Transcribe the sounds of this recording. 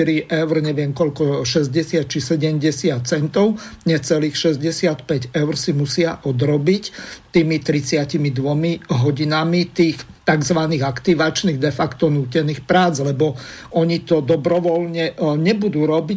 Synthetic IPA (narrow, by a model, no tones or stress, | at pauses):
iɾiʔɛʊɾɲɛʋɪɛmkɔʎkɔʃɛzɟɛsɪat̪̚t͡ʃisɛɟɛmɟɛsɪat̪̚t͡sɛnt̪ɔʊɲɛt͡sɛliːxʃɛzɟɛsɪat̪pɛɟɛʊɾsimusɪaʔɔd̪ɾɔbict̪iːmit̪ɾit͡sɪacimid̪ʋɔmiɦɔɟinamit̪iːxt̪aɡzʋaniːɣakt̪iʋat͡ʃniːɣd̪ɛfakt̪ɔnuːcɛniːxpɾaːd͡zlɛbɔɔɲit̪ɔd̪ɔbɾɔʋɔlɲɛɲɛbud̪uːɾɔbi